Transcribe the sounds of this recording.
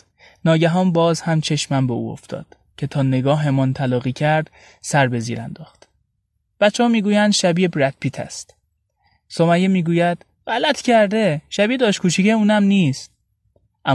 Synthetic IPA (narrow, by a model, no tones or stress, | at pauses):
nɒːɟæɦɒːnbɒːzhæmt͡ʃʰe̞ʃmænbeṵo̰ft̪ʰɒ̰ːd̪̥ | cʰe̞t̪ʰɒːneɡɒːhɦe̞mɒːnt̪ʰælɒːɣiːcʰæɾd̪̥ | sæɾbe̞zḭːɾæ̰nd̪ɒːxt̪ | b̥æt̪t͡ʃʰːehɒːmiːɡuːjænd̪ʃæbiːbɾæt̪̚pʰiːt̪ʰæ̰st̪ | somæjemiːɡuːjæd̪̥ | ɢælæt̪ʰcʰæɾd̪eʃæbid̪ɒːʃkʰuːʃʰiceuːnæmniːst̪̚ | ʔæ